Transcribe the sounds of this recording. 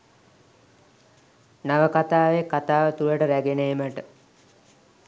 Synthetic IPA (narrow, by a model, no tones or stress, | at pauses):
naʋəkat̪aːʋekat̪aːʋət̪uləʈəɾæɡeneːməʈə